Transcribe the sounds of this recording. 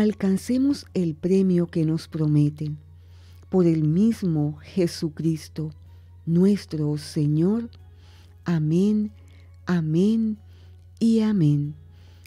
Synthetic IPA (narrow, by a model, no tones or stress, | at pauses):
alkanse̞mose̞lpɾe̞mjoke̞no̞spɾo̞me̞t̪e | po̞ɾe̞lmizmoxe̞sukɾist̪o̞ | nwe̞st̪ɾose̞ɲo̞ɾ | amẽn | amẽn | iamẽn